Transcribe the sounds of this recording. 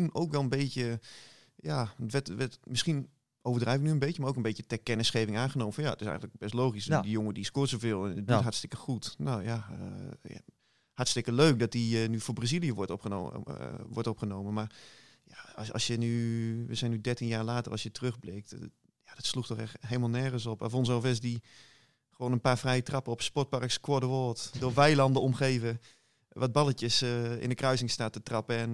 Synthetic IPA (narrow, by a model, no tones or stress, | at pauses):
tunowkʋɛlˠənbeːtjə | jatʋɛtʋɛtmɪsxin | owvərdrɛjvɪk̚nyənbekjəmaroːkənbeːtjətɛkɛnəsxeːvɪŋaːnχənoːməfɔnja̰ətɪsɛ̰jɣənləkbɛstloːxisdəjoŋədiskʊːtsovɪːlˠɛnditɦaɹtstɪkəxutnoːjaə̰ | hatstɪkəløːk̚dɔt̚dinyfoːbrazilˠijəʋɔɔpəo̰ʋɔɹtɔpχənoːmənmarjaɑ̰sjənyʋəzɛjnydɛrtinjaːɹlaːtərʔɑ̰lˠsjətərøxbleːk̚t | jad̥ɔtsluktɔχɛxɦeːlˠmalˠnɛːɣənsɔpɛ̰fons̬ɔfɪs̬di | χəʋoːnənpaːɹfrɛjətrɑpəɔpspɔɹt̚pɑrkskwɔdəʋoːtdʊːʋɛjlɑndəɔmχeːvə | ʋɔd̚bɑlətjəsɪ̰ndəkrœɥsɪŋstaːtətrɑpəɛn